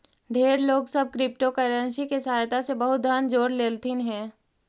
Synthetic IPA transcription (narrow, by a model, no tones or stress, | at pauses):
ɖʱeːɾloːɡsəb̚kɾɪp̚ʈokəɾə̃nʃikesaːjt̪ʰasebəɦʊt̪̚d̪ʱaːnd͡ʒoːɾleːlt̪inɦɛ̃ː